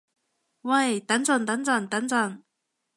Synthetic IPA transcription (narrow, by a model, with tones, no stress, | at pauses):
wɐ˥˧˩jt̪ɐ˨˥nt͡sɔ˨˩nt̪ɐ˨˥nt͡sɐ˥˨˩nt̪ɐ˨˥nt͡sɐ˨˩n